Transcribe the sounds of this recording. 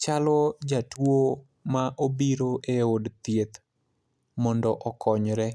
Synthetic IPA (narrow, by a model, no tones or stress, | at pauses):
t͡ʃalɔd͡ʒatwo | maʔobiɾoʔeodt̪jet̪ | mɔndɔʔɔkʰɔɲɾɛ